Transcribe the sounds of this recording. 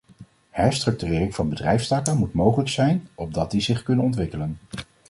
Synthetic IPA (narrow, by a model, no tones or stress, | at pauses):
hɛɹstrɵk̚tyrɪːrɪŋvɑnbədrɛjfstaːkəmutmowχələksɛjnɔb̚dɑt̚dizɪχkɵnənɔntʋɪkələn